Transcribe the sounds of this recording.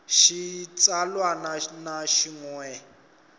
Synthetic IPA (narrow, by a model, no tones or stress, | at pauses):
ʃit͡sʼalwananaʃiŋwɛ